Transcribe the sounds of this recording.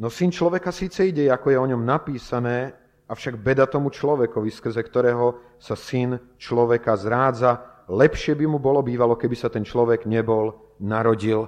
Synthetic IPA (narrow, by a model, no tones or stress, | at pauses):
nɔsint͡ʃlɔʋɛkasiːt͡sɛiɟɛɛakɔjɛɔɲɔmnapiːsanɛː | afʃaɡbɛd̪at̪ɔmut͡ʃlɔʋɛkɔʋiskɾ̩zɛkt̪ɔɾɛːɦɔ | sasin | t͡ʃlɔʋɛkazɾaːd͡zalɛpʃɪɛbimubɔlɔbiːʋalɔkɛbisat̪ɛnt͡ʃlɔʋɛɡɲɛbɔl | naɾɔɟil